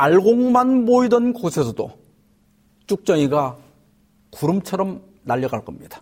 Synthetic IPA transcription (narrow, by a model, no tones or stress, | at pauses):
aɭɡoŋmanmoidʌnkosʰe̞sʰʌdo̰ | t͡ɕ͈uk̚t͡ɕ͈ʌŋiɡa | kuɾɯmt͡ɕʰʌɾʌm | naʎːʌɡaɭk͈ʌmɲid̥ḁ